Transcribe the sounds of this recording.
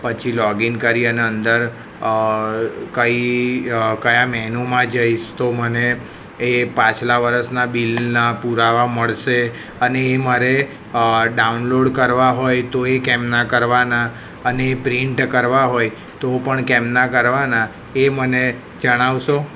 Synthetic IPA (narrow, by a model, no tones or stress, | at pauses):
pət͡ʃʰilɔɡinkəɾiəneənd̪əɾ | kəi | kəjamɛɦnomãd͡ʒəiʃt̪oməneː | pãt͡ʃlaʋəɾəsnabilnapuɾaʋaməɭʃe | əneːmaɾe | ɖaunloɽkəɾʋaɦojt̪oekɛmnakəɾʋana | ənepɾiɳʈkəɾʋaɦoj | t̪opəɳkɛmnakəɾʋana | eməne | d͡ʒəɽ̃aʋʃo